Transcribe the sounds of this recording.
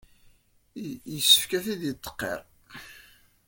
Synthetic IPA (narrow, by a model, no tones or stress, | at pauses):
jəsːə̥fkæθiðjət̪ˤːə̥qːḛɾˤ